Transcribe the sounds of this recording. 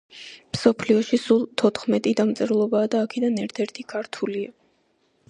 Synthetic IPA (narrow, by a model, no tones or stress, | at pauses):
msɔpʰliɔʃisulˠt̪ʰɔt̪ʰχmɛt̪ʼid̪amt̪sʼɛɾlˠɔbaːd̪aːkʰɛd̪anɛɾt̪ʰɛɾt̪ʰikʰaɾt̪ʰulia